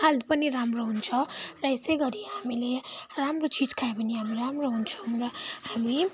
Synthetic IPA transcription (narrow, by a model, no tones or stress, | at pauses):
alpʌniɾamroɦunt͡sʰʌrʌesʌjɡʌɾiɦamileramrot͡sid͡zkʰaepʌniɦamiramroɦunt͡sʰʌwrʌhami